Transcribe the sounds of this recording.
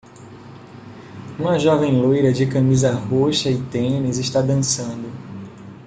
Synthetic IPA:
ũmɐʒɔvẽj̃lojɾɐd͡ʒɪkɐ̃mizɐhoʃɐɪt̪ẽnizɪʃt̪ad̪ɐ̃sɐ̃nd̪ʊ

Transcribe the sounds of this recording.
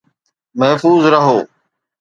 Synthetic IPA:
məɦfuːzɾəɦoː

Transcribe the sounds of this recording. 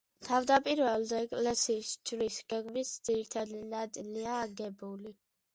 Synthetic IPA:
t̪ʰavd̪apʼiɾvɛlˠd̪ɛːkʼlɛsiːsd͡ʒɾisɡ̥ɛɡmisd̪z̥iɾit̪ʰad̪inat̪sʼiliaːɡɛbuli

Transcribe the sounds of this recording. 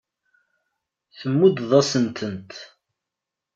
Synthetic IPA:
θəmːud̪ðˤɑsənt̪ʰənt̪

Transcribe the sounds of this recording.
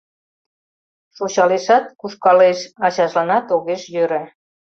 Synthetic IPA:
ʃoɕɑleʃɑt̪̚kuʃkɑleʃɑɕɑʒlɑnɑt̪oɣeʃjøɾə

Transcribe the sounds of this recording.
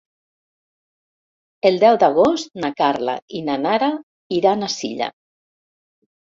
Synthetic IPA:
elˠd̪ɛwd̪aɣ̞ost̪nakaɾla̰inanaɾa | iɾanasḭʎa̰

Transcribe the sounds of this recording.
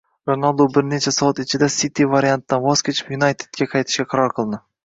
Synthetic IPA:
ɾonalˠd̪obɪɾnet͡ʃʰasɒat̪ɪt͡ʃʰɪd̪asit̪ʰivaɾijant̪ːanvɒz̥kʲe̞t͡ʃʰɪ̥pjunajt̪ʰed̪̥̚ɡʲaqʰɑjt̪ʰɪ̥ʃkʲaqʰɑɾɒɾqʰɨlˠd̪ɪ

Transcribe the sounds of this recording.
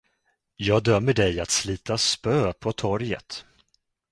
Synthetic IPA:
jɑːɡ̚d̪œmːəɖɛjat̪sliːt̪aspøːpʰɔt̪ʰɔɾjə̰t̪

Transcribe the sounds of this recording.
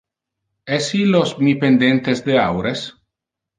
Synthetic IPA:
ɛsilːosmipend̪ent̪esd̪eawɾes

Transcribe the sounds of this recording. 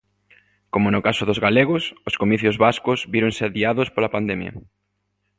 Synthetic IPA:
komonʊkasʊðozɣaleɣʊsoskomiθjʊzβaskʊzβiɾoŋsɪaðiaðʊspolapand̪ɛmjɐ̰

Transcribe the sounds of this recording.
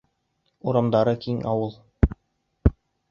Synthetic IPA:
uɾɑmd̪ɑɾɤkiŋʔɑwɤlˠ

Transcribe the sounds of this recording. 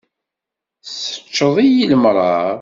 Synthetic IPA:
sə̥t͡ʃːəðˤijiləmɾˤɑɾˤ

